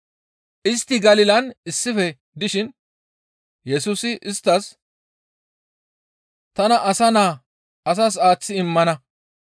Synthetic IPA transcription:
ʔɪst̪ːɪɡɐlɪlɐnɪsːɪfɛ | d̪ɪʃɪn | jɛsuːsɪʔɪst̪ːɐs | t̪ɐnɐʔɐsɐnaː | ɐs̬ɐs̬aːt͡sːɪɪmːɐnɐ

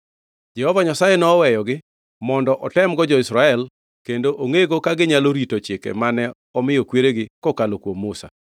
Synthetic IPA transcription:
d͡ʒɛhɔvaɲasajenɔːwɛjɔɡɪ | mɔndɔʔɔtɛmɡɔd͡ʒɔɪsɾaɛl | kendoʔoŋeɡokaɡɪɲaloɾitot͡ʃɪkḛmanɛ | ɔmɪjɔkweɾeɡɪkɔkalokwomːʊsa̰

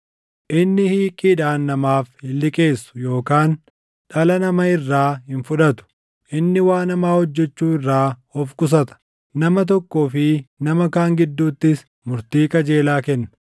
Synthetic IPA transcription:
ʔɪnːɪhiːkʼiᶑaːnːɐmaːfhɪlːɪkʼeːsːʊ̥jo̞ːkaːn | ᶑɐlɐnɐmɐɪrːaːɦɪnfʊᶑɐt̪ʊ̥ | ʔɪnːɪwaːnɐmaːhɔd͡ʒːɛt͡ʃːuːɪrːaːɔfkʼʊs̬ɐt̪ɐ̥ | nɐmɐt̪̬ɔkːoːfɪnɐmɐkaːŋɡɪd̪ːuːt̪ːɪs | mʊɾt̪iːkɐd͡ʒe̞ːlaːkɛnːɐ̥

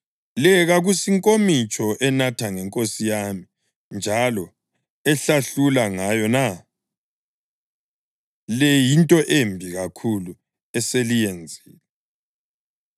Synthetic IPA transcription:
lɛɣaɣusiŋkʼomit͡ʃʼɔʔɛnatʰaŋɛŋkʼosijami | nd͡ʒʱalɔ | ɛɬaɬulaŋajɔna | lɛjintʼɔʔembʱiɣakʰulu | ɛselijɛnd͡zʱiːlɛ

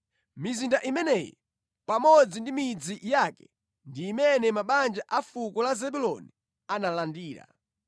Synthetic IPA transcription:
mizindaʔimɛnɛjɔ̰ | pamɔd͡zindimid͡zijakɛ̥ | ndiːmɛnɛmaɓand͡ʒaʔafukɔlazɛbulɔ̰ni | analandiːɾa̰

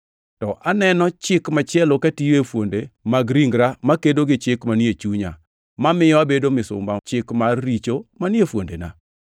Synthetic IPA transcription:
tɔʔanɛnɔt͡ʃɪkmat͡ʃɪɛlokatijoefwondemaɡɾiŋɡɾamakedoɡɪt͡ʃɪkmaniet͡ʃuɲa̰ | mamɪjɔabedomɪsʊ̰mbat͡ʃɪkmarːit͡ʃomanɪefwo̰ndena̰

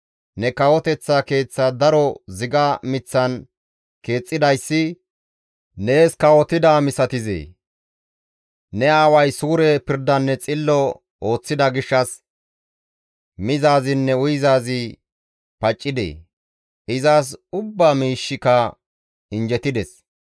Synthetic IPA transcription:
nɛkɐwɔt̪ɛt͡sːake̞ːt͡sːɐd̪ɐɾɔzɪɡɐmɪt͡sːɐn | ke̞ːt͡sʼːɪd̪ɐjsːɪ | ne̞ːskɐwɔt̪ɪd̪amɪsɐt̪ɪzḛː | nɛaːwɐjsuːɾɛpɪɾd̪ɐnːɛt͡sʼɪlːɔ | o̞ːt͡sːɪd̪ɐɡɪʃːɐs | mɪzaːzɪnːɛʊjzaːzɪ | pɐt͡ʃʼːɪd̪ḛː | ʔɪzaːs̬ʊbːaːmiːʃːɪkɐ | ɪnd͡ʒɛt̪ɪd̪ɛs

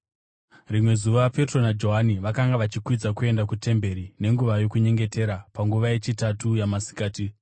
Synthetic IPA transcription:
rimwe̞zuʋaʋape̞tro̞nad͡ʒo̞ɦaniʋakaŋɡaʋat͡ʃikwid͡zakue̞ndakute̞mbe̞ɾine̞ŋɡuʋajo̞kuɲe̞ŋɡe̞te̞ɾapaŋɡuʋaje̞t͡ʃitatujamasi̥kaːti

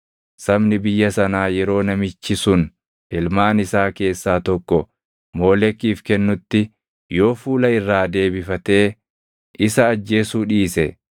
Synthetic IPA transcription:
sɐbnɪbɪjːɐsɐnaːjɛɾo̞ːnɐmɪt͡ʃːɪsʊn | ɪlmaːnɪsaːke̞ːsːaːt̪ɔkːɔ | mo̞ːlɛkːiːfkɛnːʊt̪ːɪ | jo̞ːfuːlɐɪrːaːd̪e̞ːbɪfɐt̪e̞ː | ʔɪsɐːd͡ʒːe̞ːsuːᶑiːsɛ

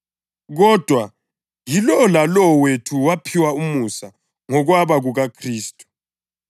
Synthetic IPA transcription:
ɣɔd̥ʱwa | jilɔlalɔwetʰuwapʰiwaumusa | ŋɔɣwaβaɣuɣakʰriːstʼu̥

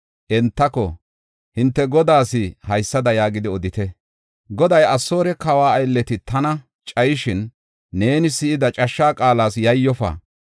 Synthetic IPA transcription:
ʔɛnt̪ːɐkɔ | hɪnt̪ːɛɡɔd̪aːsɪhɐjsːɐd̪ɐjaːɡɪd̪ɪɔd̪ɪt̪ɛ | ɡɔd̪ɐjɐsːo̞ːɾɛkɐwaːɐjlːɛt̪ɪt̪ɐnɐ | t͡ʃʼɐjɪʃɪnː | e̞ːnɪsɪɪd̪ɐt͡ʃʼɐʃːaːkʼaːlaːsjɐjːɔfa̰ː

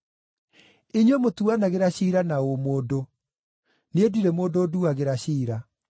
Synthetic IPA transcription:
iɲwɛmotuanaɣeɾaɕiːɾanaomoːdo | nediɾɛmoːdoːduaɣeɾaɕiːɾa

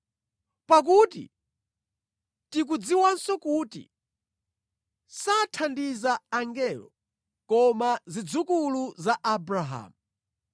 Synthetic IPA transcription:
pak̬utḭ | tik̬ud͡ziwansɔkuːtḭ | satʰandizaːŋɡɛlɔ̰ | kɔmazid͡zukuluzaʔabɾaɦa̰ːmu

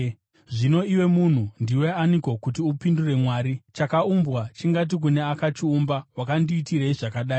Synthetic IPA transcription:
ʐino̞iwe̞mun̤undiwe̞aniko̞kutiupindure̞mwaːɾit͡ʃakaumbɣat͡ʃiŋɡat̬ik̬une̞akat͡ʃiumbawakandiːtireiʐakaɗaːi

